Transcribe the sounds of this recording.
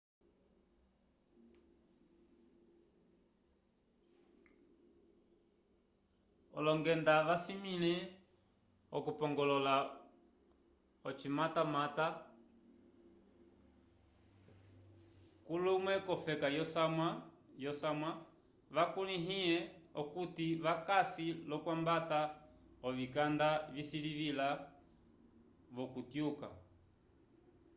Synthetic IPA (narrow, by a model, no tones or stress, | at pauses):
ɔ̰lɔŋɡɛndaʋasimilɛ | ɔkupɔŋɡɔlɔla | ɔt͡ʃimatamata | kulumwɛkɔfɛkajɔsamwajɔsamwa | ʋakuliɦiɛɔkutiʋakasilɔkwambata | ɔvikandavisilivila | βɔkutjuka̰